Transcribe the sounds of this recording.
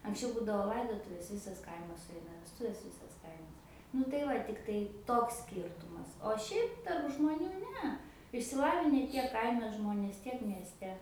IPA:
ɐŋksʲˈt͡ʃʲɛʊ ˈbuːdɐʋoː ˈlˠɐɪdoːtʊʋʲeːs ˈʋʲɪsɐs ˈkɐɪmɐs sʊˈɛɪnɐ ʋʲɛsˈtʊʋʲeːs ˈʋʲiːsɐs ˈkɐɪmɐs nʊ tɐɪ ˈʋɐ ˈtʲɪktɐɪ toːks ˈsʲkʲiːrtʊmɐs oː ˈʃʲɛɪp tɐrp ʒmoːˈnʲuː ˈnʲɛ ɪʃʲsʲɪˈlˠɑːʋʲɪnʲɛ ˈtʲiɛk ˈkɐɪmʲɛ ˈʒmoːnʲeːs ˈtʲiɛk mʲiɛsʲˈtʲɛ

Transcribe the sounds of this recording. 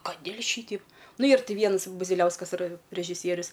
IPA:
kɐˈdʲeːlʲ ˈʃʲiːtʲɛɪp ˈnʊ ˈiːr ˈtʲɪ ˈʋʲiɛns bʊzʲɪˈlʲɛʊskɐs ɪˈrɐ rʲɛʒʲɪˈsʲiɛrʲʊs

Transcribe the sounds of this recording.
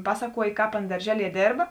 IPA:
ˈpɑːsɐˌkuɔjeː ˈkɑːp ˈɑːnɐ dɐrʲˈʒʲæːlʲiɛ ˈdʲeːrbɐ

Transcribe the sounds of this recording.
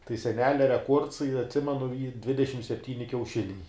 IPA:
tɐɪ sʲɛˈnʲæːlʲɛ rʲɛˈkuɔrts ɪ ɐtʲˈsʲɪmʲɛnʊ ˈiː ˈdʲʋʲɪdʲɛʃʲɪm sʲɛpʲˈtʲiːnʲɪ kʲɛʊˈʃʲɪnʲɛɪ

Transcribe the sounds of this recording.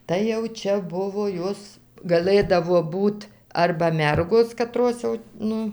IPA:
tɐɪ jɛʊ ˈt͡ʃʲɛ ˈbʊʋoː ˈjoːs ɡɐˈlˠɘdɐʋoː ˈbuːt ˈɐrbɐ ˈmʲɛrɡoːs kɐˈtroːs jɛʊ ˈnʊ

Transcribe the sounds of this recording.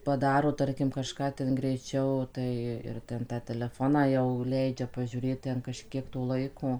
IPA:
pɐˈdɑːroː ˈtɐrʲkʲɪm kɐˈʃkɑː ˈtʲɛn ɡrʲɛɪˈt͡ʃʲɛʊ ˈtɐɪ ɪr ˈtʲɛn tɑː tʲɛlʲɛˈfoːnɑː jɛʊ ˈlʲɛɪd͡ʒʲɛ pɐʒʲuːˈrʲeːt ˈtʲɛn kɐʃʲˈkʲiɛk toː ˈlˠɐɪkoː

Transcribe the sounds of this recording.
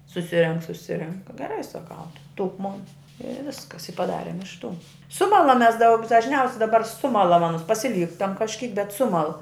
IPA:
sʊˈsʲɪrʲɛŋk sʊˈsʲɪrʲɛŋk ɡʲɛˈrɐɪ sɐˈkɐʊ ˈdʊk ˈmoːn ɪ ˈʋʲɪskɐs ɪ pɐˈdɑːrʲeːm ɪʃ tuː ˈsʊmɐlˠɐm ˈmʲɛs ˈdɐʊk dɐʒʲˈnʲɛʊsʲ dɐˈbɐr ˈsʊmɐlˠɐm ɐˈnʊs pɐsʲɪˈlʲiːktɐm kɐʃʲˈkʲiːk bʲɛt ˈsʊmɐlˠ

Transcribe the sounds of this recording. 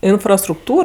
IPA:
ɪnfrɐstrʊkˈtuːr

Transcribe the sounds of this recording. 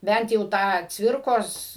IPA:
ˈbʲɛnt jɛʊ ˈtɑː ˈt͡sʲʋʲɪrkoːs

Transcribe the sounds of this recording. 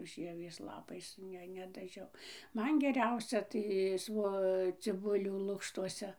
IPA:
ˈʒʲiɛʋʲeːs ˈlˠɑːpɐɪs ˈnʲɛ nʲɛdɐˈʒʲɛʊ ˈmɐn ɡʲɛˈrʲɛʊsʲɛ tɐɪ ˈsʋoː t͡sʲɪˈbʊlʲuː ˈlˠʊkʃtuɔsʲɛ

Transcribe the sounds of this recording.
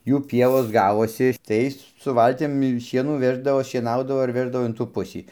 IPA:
ˈjuː ˈpʲiɛʋoːs ˈɡɑːʋoːsʲɪ ˈtɐɪs sʊ ˈʋɐlʲtʲɪm ˈʃʲiɛnuː ˈʋʲæːʒdɐʋoː ʃʲiɛˈnɐʊdɐʋoː ɐr ˈʋʲæːʒdɐʋoː ɪn tuː ˈpʊsʲiː

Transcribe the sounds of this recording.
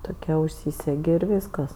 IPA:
ˈtoːkʲɛ ʊʃʲˈsʲiːsʲɛɡʲɪ ɪr ˈʋʲiːskɐs

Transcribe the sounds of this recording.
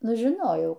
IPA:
ˈnʊ ʒʲɪˈnoːjɛʊ

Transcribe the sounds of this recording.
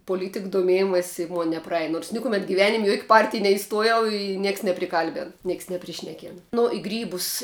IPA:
poːˈlʲiːtʲɪk doːˈmʲeːjɪmɐsʲsʲ ɪ ˈmoːn nʲɛprɐˈɛj noːrs ˈnʲɪkʊˈmʲɛt ɡʲɪˈʋʲæːnʲɪmʲ ɪ juɔkʲ ˈpɐrʲtʲɪj nʲɛɪˈstuɔjɛʊ ɪ ˈnʲiɛks nʲɛpʲrʲɪˈkɐlʲbʲɛn ˈnʲiɛks nʲɛpʲrʲɪˈʃʲnʲæːkʲeːn ˈnʊ ɪ ˈɡrʲiːbʊs

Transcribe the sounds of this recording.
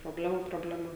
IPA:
proːˈbʲlʲæːmuː proːbʲlʲɛˈmɐ

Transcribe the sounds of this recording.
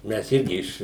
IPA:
mʲɛs ˈɪrʲɡʲɪ ɪʃ

